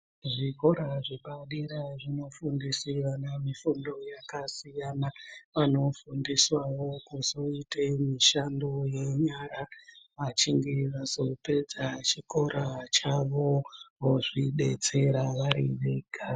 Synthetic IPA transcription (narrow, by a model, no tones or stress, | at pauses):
ʐiko̞ɾaʐiɓaɗiɾaʐino̞fundisiʋanamifundo̞jakasijanaʋano̞fundiswawo̞kuzo̞itemiʃando̞je̞ɲaɾaʋat͡ʃiŋɡe̞ʋazo̞pe̞d͡zat͡ʃiko̞ɾʔat͡ʃaʋooʐiɗe̞̰t͡se̞ɾaʋaɾḭʋe̞ːɡʱa